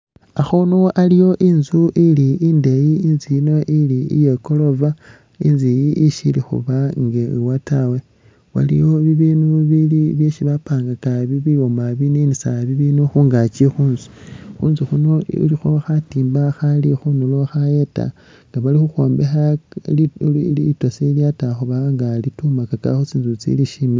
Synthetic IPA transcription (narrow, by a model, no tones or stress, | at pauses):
axonoʔalijo̞ʔinzuʔiliindejiinziino̞ʔiliḭjeko̞lo̞va | inzijiʔiʃilixṵβaŋɡewatawe̞ | wa̰lḭjo̞βiβinuβiliβjeʃiβapaːŋɡakaβiβiomaβinenisaβiβinuxuːŋɡat͡ʃexuːnzi̥xuːnzixuno̰lixoxatiːmbaxalixunuloxajeta̰ | ŋɡaβalixuxo̞ːmbexa | itwasiljataxuβaŋɡalitumakaka̰xot͡siːnzut͡sḭliʃimi